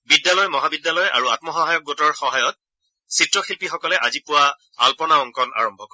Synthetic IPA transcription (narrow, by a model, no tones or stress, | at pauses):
bidjalɔjmɔɦabidːjalɔjʔa̰ɹuatmɔxɔɦajɔk̚ɡotɔɹxɔɦajɔt̚ | sitɹɔxilpixɔkɔlɛʔazipʊwa | a̰lpɔnaɔŋkɔna̰ɹɔmbʱɔkɔɹ